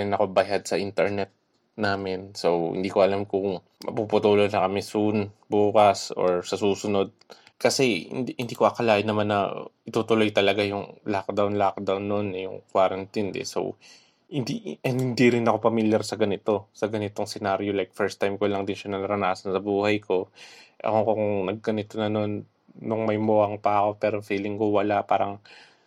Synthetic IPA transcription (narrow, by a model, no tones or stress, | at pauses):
ɪnɐkobɐjad̪̚sɐʔint̪ɛɹnɛt̪̚ | naːmɪnso̞whɪ̰nd̪iːkoʔɐlamkʊŋ | mɐ̰pupʊt̪uːlonɐkɐmɛsunbuːkɐso̞̰ɹsɐsuːsʊno̞d̪̚ | kɐsɛhɪ̰nhɪnd̪iːkoʔɐkɐlaːʔɪnɐmanːɐ̰ʔɪt̪ut̪ʊlo̞jt̪ɐlɐɡajʊŋlak̚d̪awnlak̚d̪awnːoʔonːɐjʊ̰ŋkwaːɾɐnt̪ind̪ɛ̰so̰w | hɪnd̪iʔnd̪hɪnd̪iɾɪnɐko̞pɐmiljaɾsɐɡɐnɪt̪o̞sɐɡɐnɪt̪oŋsɛnaɾjolajk̚fɛɹst̪ːajmkolɐŋd̪ɪnʃɐnɐnɐɾɐnaːsɐnsɐbuːhɐjkʰo̞ʔɐ̰kokoŋŋnɐɡ̚kɐnɪt̪onɐno̞nː | ʊŋmɐjmoːɐŋpɐɐko̞pɛːɾo̞fiːlɪŋkowɐlapaːɾɐŋ